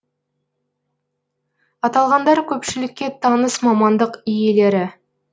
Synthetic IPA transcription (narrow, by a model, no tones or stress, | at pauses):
ɑt̪ɑlˠʁɑnd̪ɑɾkʲʰɵpʃɪlɪkʲːe̞t̪ʰɑnəsmɑmɑnd̪əqije̞le̞ɾɪ